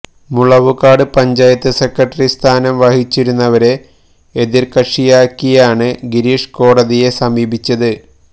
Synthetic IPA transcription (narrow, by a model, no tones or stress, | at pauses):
muɭɐʋukːaːɽɨpɐɲd͡ʑaːjɐt̪ːɨse̞krɐʈːɐrist̪ʰaːnɐmʋɐhit͡ɕːiɾunːɐʋɐɾe̞ | eðirkɐʂijaːkːijaːɳɨɡiɾiːʂko̞ːɽɐðije̞sɐmiːbʱit͡ɕːɐðɨ